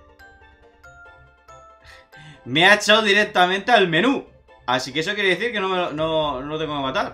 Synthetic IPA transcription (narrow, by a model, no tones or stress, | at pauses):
meat͡ʃawðiɾek̚t̪amẽnt̪ealme̞nu | asikeesokjeɾeeθiɾke̞nomeononolt̪eŋɡokemat̪aɾ